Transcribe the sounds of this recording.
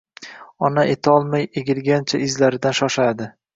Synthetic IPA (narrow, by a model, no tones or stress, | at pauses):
ɒnaʔet̪ʰɒlˠmajeɡʲɪlɡʲant͡ʃʰaʔɪzlaɾɪd̪anʃɒʃad̪ɪ